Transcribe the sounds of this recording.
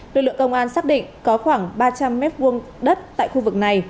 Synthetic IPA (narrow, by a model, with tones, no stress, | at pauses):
lɨ˨˩k̚lɨ̰˧˨ə˨kə˧wŋ͡mʔaː˧nsaː˦˥k̚ɗḭ̈˧˨ŋ̟kɔ˨˦xwaː˧˩ŋɓaː˧t͡ɕa˧mːɛ˦˥t̚vu˧ən | ɗə˦˥t̚t̪a̰ː˧˨jxu˧vɨ˨˩k̚na˨˩j